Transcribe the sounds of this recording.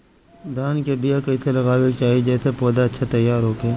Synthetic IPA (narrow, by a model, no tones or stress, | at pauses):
d̪aːnkebijakɐiselɐɣaːwekt͡ʃaːɦid͡ʒɛːsepɔːd̪aɐtːʃʰat̪ɐjːaːɾɦoːkeː